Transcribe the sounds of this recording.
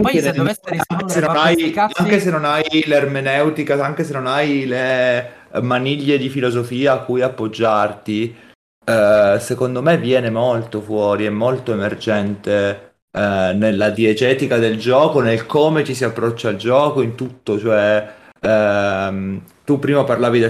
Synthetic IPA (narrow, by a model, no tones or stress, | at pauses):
aŋkenelaŋkesenonajaŋk̟esenːonajlearmenɛwt̪ikaaŋk̟es̬enːonajle | maniʎːed̪ifilozofiːaːkːujapːod͡ʒːart̪i | sekond̪omevːjɛːnemolt̪ofwɔːɾiɛmːolt̪oemerd͡ʒɛnt̪e | nelːad̪iɛt̪ɛːt̪ikad̪eld͡ʒɔːkonelkomet͡ʃ̪is̬iapːɾɔt͡ʃːald͡ʒɔːkoint̪ut̪ːot͡ʃoɛ | mt̪upːɾiːmaparlaːvid̪e